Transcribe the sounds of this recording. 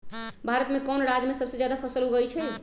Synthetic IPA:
bʱaɾət̪mekɔnɾad͡ʒmesəbsed͡ʒjad̪apʰəsəlɦuɡəjt͡ʃʰɛ

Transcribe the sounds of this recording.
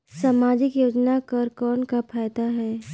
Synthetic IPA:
saːmaːd͡ʒɪkjoːd͡ʒnakɐɾkɔːnkapʰaːjt̪aɦɛː

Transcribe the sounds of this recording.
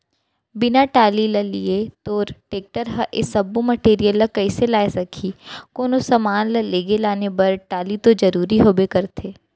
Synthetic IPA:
bɪnaʈaːlilɐlḭet̪oːɾʈeːk̚ʈəɾɦɐʔɪ̰sɐbumɐʈeːɾijəlːɐkɐɪselaːesɐkʰikoːnosɐmaːnlɐleːɡelaːnebɐɾʈaːlit̪od͡ʒɐɾuːɾiɦoːbekɐɾt̪ʰeː

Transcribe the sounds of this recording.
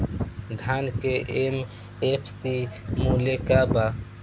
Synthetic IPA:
d̪ʱaːnkeʔem | epʰsimulekaba

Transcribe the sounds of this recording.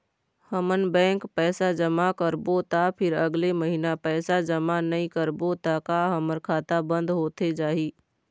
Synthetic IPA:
həmənbɛ̃ːŋkpɛːsad͡ʒəmakəɾbot̪apʰɪɾəɡleməɦinapɛːsad͡ʒəmanəĩkəɾbot̪akaɦəməɾkʰaːt̪abə̃nd̪ɦoːt̪ed͡ʒaːɦiː

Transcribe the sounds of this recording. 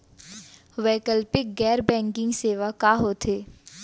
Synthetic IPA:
ʋɛːkəlpɪk̚ɡɛːɾbɛ̃ːŋkɪ̃ŋɡseːʋakaːɦoːt̪ʰeː

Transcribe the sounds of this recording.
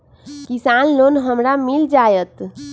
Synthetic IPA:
kisanlonɦəmɾamild͡ʒajət̪

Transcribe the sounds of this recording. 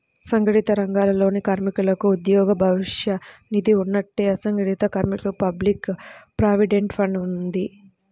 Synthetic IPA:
sɐŋɡɐɽit̪ɐɾɐŋɡaːlɐlo̞ːnikaːɾmikulɐkuːd̪jɔːɡɐbʱɐʋiʂjɐnid̪iunːɐʈːeːɐsɐŋɡɐɽit̪ɐkaːɾmikɐlupɐblikpɾaːʋiɖeɳʈpʰɐɳɖund̪i

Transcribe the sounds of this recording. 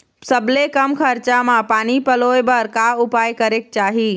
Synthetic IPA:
sɐblekɐmkʰɐɾt͡ɕamãpaːnipɐloːebɐɾkaːʊpaːjkɐɾeːk̚t͡ɕaːɦiː

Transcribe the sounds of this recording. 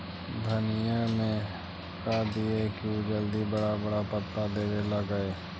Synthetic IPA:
d̪ʱənɪjəmẽ | kad̪iekiod͡ʒəld̪ibəɽabəɽapət̪ːad̪eːɾelaɡəeː

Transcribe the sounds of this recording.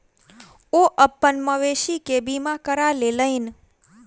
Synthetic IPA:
oʔəpːənməʋeʃikebimãkəɾaleləin

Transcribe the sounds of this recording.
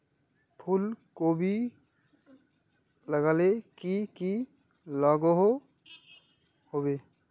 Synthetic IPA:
pʰulkobʱi | ləɡaːlekiki | laɡoɦo | hobeː

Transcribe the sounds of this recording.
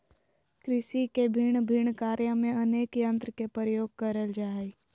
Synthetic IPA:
kɾɪʃikebʱiɳ̃bʱiɳ̃kaːɾjamẽɐneːkjə̃nt̪ɾkepɾɾəjoːɡ̚kɐɾəld͡ʒaː

